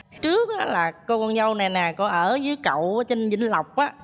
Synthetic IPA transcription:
t͡ɕɨ˦˥ək̚ʔaː˨˦laː˨˩ko˧kɔ˧nzə˧wna˨˩nɛ˨˩kɔ˨˦ʔəː˧˩zɨ˨˦jkə̰˧˨waː˨˦t͡ɕe˧nzḭ˧˥ŋla˨˩wk͡p̚ʔaː˨˦

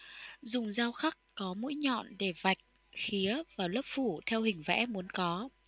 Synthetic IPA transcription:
zʊ˨˩ŋ͡mzaː˧wxa˦˥kkɔ˨˦mṵ˧˥jɲɔ̰˧˨nɗe˧˩va˨˩jk̟̚ | xi˨˦əvaː˨˩wləː˦˥p̚fu˧˩t̪ʰɛ˧whï˨˩ŋ̟vɛ̰˧˥mu˨˦ənkɔ˨˦

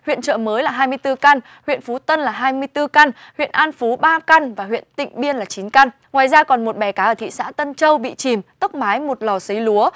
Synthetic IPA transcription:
hwḭ˧˨ənt͡ɕə̰ː˧˨məː˨˦jlaː˨˩ɦaː˧jmɨ˧əjt̪ɨ˧ka˧n | hwḭ˧˨ənfu˨˦t̪ə˧nlaː˨˩ɦaː˧jmɨ˧əjt̪ɨ˧ka˧nhwḭ˧˨ənʔaː˧nfu˨˦ɓaː˧ka˧nvaː˨˩ɦwḭ˧˨ənt̪ḭ˧˨ŋ̟ɓi˧ənlaː˨˩t͡ɕi˨˦nka˧n | ŋwaː˨˩jzaː˧kɔ˨˩nmo˨˩t̚ɓɛ˨˩kaː˨˦ʔəː˧˩t̪ʰḭ˧˨sa̰ː˧˥t̪ə˧nt͡ɕə˧wɓḭ˧˨t͡ɕi˨˩mt̪o˦˥k͡p̚maː˨˦jmo˨˩t̚lɔ˨˩si˨˦jlu˨˦ə

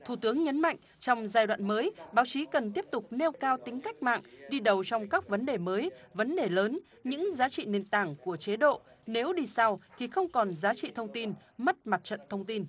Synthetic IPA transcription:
t̪ʰu˧˩t̪ɨ˨˦əŋɲə˨˦nma̰˧˨jŋ | t͡ɕɔ˧wŋ͡mzaː˧jɗwa̰ː˧˨nməː˨˦jɓaː˨˦wt͡ɕi˨˦kə˨˩nt̪̬i˦˥əp̚t̪ʊ˨˩k͡p̚ne˧wkaː˧wt̪ï˨˦ŋ̟ka˦˥jk̟̚ma̰ː˧˨ŋɗi˧ɗə˨˩wt͡ɕɔ˧wŋ͡mkaː˦˥k̚və˨˦nɗe˨˩məː˨˦jvə˨˦nɗe˨˩ləː˨˦n | ɲɨ̰˧˥ŋzaː˨˦t͡ɕḭ˧˨ne˨˩nt̪aː˧˩ŋku˧˩ət͡ɕe˨˦ɗo̰˧˨ | ne˨˦wɗi˧sa˧wt̪ʰi˨˩xə˧wŋ͡mkɔ˨˩nzaː˨˦t͡ɕḭ˧˨t̪ʰə˧wŋ͡mt̪i˧nmə˦˥t̚ma˨˩t̚t͡ɕə̰˧˨nt̪ʰə˧wŋ͡mt̪i˧n

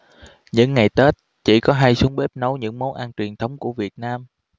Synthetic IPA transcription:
ɲɨ̰˧˥ŋːa˨˩jt̪e˦˥t̚ | t͡ɕḭ˧˩kɔ˨˦ɦa˧jsu˨˦əŋɓe˦˥p̚nə˨˦wɲɨ̰˧˥ŋmo˨˦nʔaː˧nt͡ɕwi˨˩ənt̪ʰə˨˦wŋ͡mku˧˩əvi˨˩ət̚naː˧m

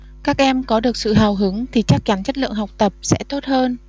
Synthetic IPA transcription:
kaː˦˥k̚ʔɛ˧mkɔ˨˦ɗɨ˨˩ək̚sɨ̰˧˨ɦaː˨˩wɦɨ˨˦əŋt̪ʰi˨˩t͡ɕa˦˥k̚t͡ɕa˨˦nt͡ɕə˦˥t̚lɨ̰˧˨əŋɦa˨˩wk͡p̚t̪ə˨˩p̚sɛ̰˧˥t̪o˦˥t̚həː˧n

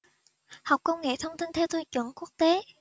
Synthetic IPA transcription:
ha˨˩wk͡p̚kə˧wŋḛ˧˨t̪ʰə˧wŋ͡mt̪i˧nt̪ʰɛ˧wt̪ʰə˧˩t͡ɕwə̰˨˧˩ŋku˦˥ək̚t̪e˨˦

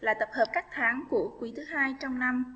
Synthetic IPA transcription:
laː˨˩t̪ə˨˩p̚həː˨˩p̚kaː˦˥k̚t̪ʰaː˨˦ŋku˧˩əkwi˨˦t̪ʰɨ˨˦ɦaː˧jt͡ɕɔ˧wŋ͡mna˧m

